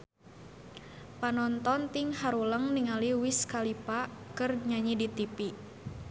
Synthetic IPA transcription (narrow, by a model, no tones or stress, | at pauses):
panɔnt̪ɔnt̪iŋhaɾuləŋniŋaliwiskalipakɨrɲaɲidit̪ipi